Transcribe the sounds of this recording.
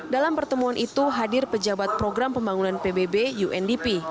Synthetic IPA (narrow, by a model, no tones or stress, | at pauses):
dalampərt̪əmuanʔit̪uɦadɪrpəd͡ʒabat̪̚pɾoɡɾampəmbaŋunanpebebejuʔɛndipi